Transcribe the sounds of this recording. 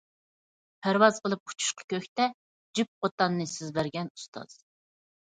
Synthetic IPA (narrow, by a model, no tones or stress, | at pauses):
pʰæɾwɑz̥qʰəlˠɨp̚qʰʊ̥t͡ʃʰu̥ʃqʰɑ̥kʲøkʲt̪ɛ | d͡ʒyp̚qot̪ɑnːɨsɪzbæɾɡʲɛnust̪ʰɑ̰z̥